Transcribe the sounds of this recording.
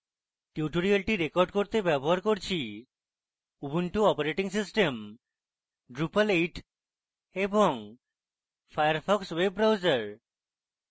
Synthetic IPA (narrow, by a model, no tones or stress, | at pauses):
ʈjuʈoɾialʈiɾekɔɾɖkoɾt̪ebɛboɦaɾkoɾt͡ɕʰi | ubuɳʈuɔpaɾeʈiŋsisʈem | ɖɾupaleʈ | ebɔŋ | fʰajaɾpʰɔkswebːɾawzaɾ